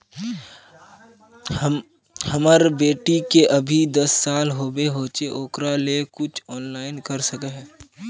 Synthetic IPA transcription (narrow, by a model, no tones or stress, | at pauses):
həmaɾbeːʈikeʔəbʱid̪əsːaːlɦoːbeɦoːt͡ʃeʔoːkɾalekʊt͡ʃʰɔːnlaːɪnkəɾsəkeɦɛː